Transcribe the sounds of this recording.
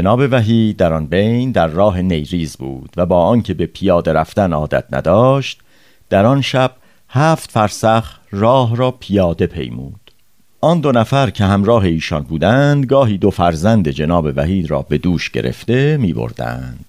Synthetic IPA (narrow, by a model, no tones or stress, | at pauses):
d͡ʒenɒːbe̞væɦiːd̪æɾɒnbe̞jnd̪æɾːɒːɦe̞ne̞jɾiːzbṵːd̪̥væbɒːɒːncʰe̞be̞pʰijɒːd̪e̞ɾæft̪ænɒːd̪æ̰t̪̚ʰnæ̰d̪ɒːʃt̪ | d̪̥æɾɒnʃæb̥̚ | hæːft̪fæɾsæχ | rɒːɦɾɒːpʰijɒːd̪e̞pʰe̞̰jmṵːd̪̥ | ʔɒnd̪onæfæɾcʰe̞ɦæmɾɒːɦe̞iːʃɒnbuːd̪ænd̪ɡɒːɦiːd̪ofæɾzænd̪ed͡ʒe̞nɒːbe̞væɦiːd̪ɾɒ̰ːbe̞d̪uːʃɟ̥e̞̰ɾḛft̪e̞miːbo̰ɾd̪æ̰nd̪̥